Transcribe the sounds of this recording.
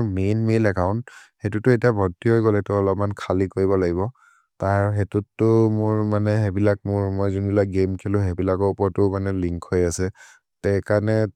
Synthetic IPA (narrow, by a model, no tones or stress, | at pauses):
menmilɛkʰaʊ̃nt | xetutʊetiabʱɔɹtːiɦojɡɔlɛtʊɔlɔpmankʰalikoɹiβɔlaɡibɔ | taɹɦetutːʊmʊɹmanɛɦebilak̚mʊɹmojzunbilak̚ɡemkʰilʊ̃ɦebilakɔɹupɔɹtʊmanɛliŋkʰhojasɛ | tɛkanɛ